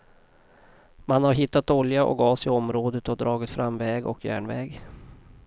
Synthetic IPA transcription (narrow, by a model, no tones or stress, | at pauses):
manhaɾɦɪt̪ːat̪ɔljaʔɔ̰kɑːsɪɔmɾoːd̪ət̪ɔd̪ɾɑːɡɪt̪fɾamvɛːɡɔ̰kʰjæ̰ːɳvɛːɡ